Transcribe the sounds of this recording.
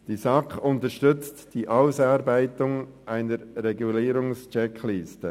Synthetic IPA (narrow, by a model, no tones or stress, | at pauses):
d̥iːsɑkʊntəʃtʏt͡std̥iːʔaʊsɑːɾbæɪtʊŋʔaɪnəɾɾɛɡuliːɾʊŋst͡ʃɛkʰliːstə